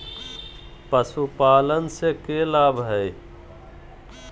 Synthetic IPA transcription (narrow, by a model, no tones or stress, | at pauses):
pəsupaːlənsekeːlaːbʱɦɛj